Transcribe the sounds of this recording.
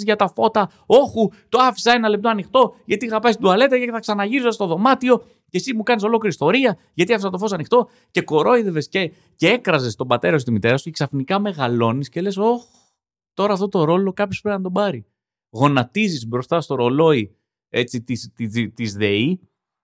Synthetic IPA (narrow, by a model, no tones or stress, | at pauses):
ʝɐt̪ɐfo̞t̪ɐ | o̞çut̪o̞ɐfi̥sɐe̞nɐlep̚t̪o̞ɐnixt̪o̞ʝɐt̪iɣɐpɐsd̪uɐle̞t̪ecɐceθɐksɐnɐʝiɾizoɐst̪o̞ðo̞mɐt̪io̞ | cesimukɐniso̞lo̞kliɾist̪o̞ɾiɐ | ʝɐt̪iɐfisɐt̪ofo̞sɐnixt̪o̞ | ce̞ko̞ɾo̞iðeve̞sce̞ | cee̞kɾɐze̞st̪o̞bɐt̪e̞ɾɐsut̪imit̪e̞ɾɐsu̥ce̞ksɐfnikɐme̞ɣɐlo̞nisce̞le̞so̞x | t̪o̞ɾɐːft̪o̞t̪o̞ɾo̞lo̞kɐpçospɾinɐt̪o̞bɐɾi | ɣo̞nɐt̪izisbɾo̞st̪ɐst̪o̞ɾo̞lo̞i | e̞t͡sit̪ist̪it̪izðei